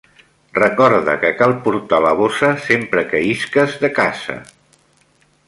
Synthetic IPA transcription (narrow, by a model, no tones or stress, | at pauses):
rəkɔɾðə̰kəkalˠpuɾt̪aləβosəsempɾəkəiskəzðəkazə̰